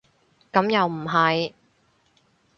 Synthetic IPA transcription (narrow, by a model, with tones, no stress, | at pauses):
kɐ˨˥mjɐ˨wm̩˨˩ɦɐ˨j